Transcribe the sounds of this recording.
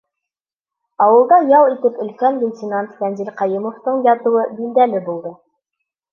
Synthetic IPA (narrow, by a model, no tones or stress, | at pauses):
ɑwɤ̆lˠd̪ɑjɑlˠit̪ɘpɵ̆lkænvʲenʲtʲɪnant̪fænzilqɑjɘmŏft̪ɤɴjɑt̪ɤ̆wɤbild̪ælɘbulˠd̪ɤ